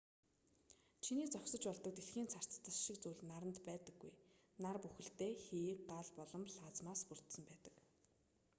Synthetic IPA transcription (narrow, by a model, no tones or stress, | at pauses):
t͡ɕʰiniːt͡sɔksɞ̆t͡ɕpɔɮt̪ɞ̆k̚t̪eɮxiːnt͡sʰar̥t͡st̪ə̆ɮʃik̚t͡suːɮnaɾə̆nt̪pæːt̪ə̆ɡːuj | narpuxɘ̆ɬt̪eːxiːkɢaːɮpɔɮɞ̆mɬaːt͡smaːspur̥t̪sə̆mpæːt̪ə̥̆k